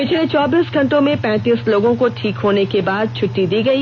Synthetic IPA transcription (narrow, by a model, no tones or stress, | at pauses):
pɪt͡ʃʰlet͡ʃɔːbiːsɡʱɐ̃ɳʈõmẽpɛ̃ːt̪iːsloːɡõkoʈʰiːkɦoːnekebaːd̪̚t͡ʃʰʊʈːid̪iːɡɐiː